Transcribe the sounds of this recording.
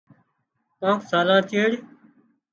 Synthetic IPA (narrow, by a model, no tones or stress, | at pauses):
pãːksaːlãːt̪ʰeːɽ